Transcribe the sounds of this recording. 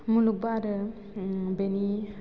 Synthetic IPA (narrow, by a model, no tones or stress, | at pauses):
muluk̚baɾə | beni